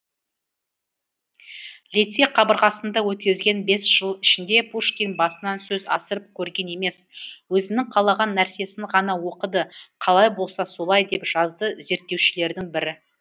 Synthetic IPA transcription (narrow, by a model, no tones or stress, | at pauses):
lʲet̪seqʰɑbəɾʁɑsənd̪ɑwɵt̪kʲɪzɡʲe̞nbe̞sʒ̥əlˠɪʃɪnd̪e̞pʰuʃkʲinbɑsənɑnsɵzɑ̰səɾəp̚kʲʰɵɾɡʲe̞ne̞me̞swɵzɪnɪŋqʰɑlˠɑʁɑnːæɾse̞sɪŋʁɑnɑwo̞qəd̪əqʰɑlˠɑjbo̞lˠsɑso̞lˠɑjd̪e̞pʒ̥ɑzd̪əze̞ɾt̪ːe̞wʃɪle̞ɾd̪ɪŋbɪɾɪ